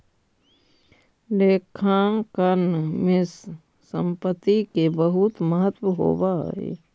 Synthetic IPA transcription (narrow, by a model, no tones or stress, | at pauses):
leːkʰaːkənmɪsː | ə̃mpət̪ːikebəɦʊt̪məɦət̪wəɦo̰ːbaḛː